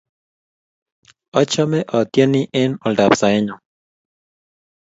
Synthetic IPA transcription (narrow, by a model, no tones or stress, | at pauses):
ot͡ʃomeʔot̪jeniʔenold̪apsaeɲo